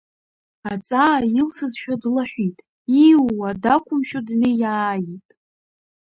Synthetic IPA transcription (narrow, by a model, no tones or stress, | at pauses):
at͡sʼaːilsɨzʃᶣadlaħᶣʷitʼ | iwwadakʷʰʊmʃᶣodnɨjaːjitʼ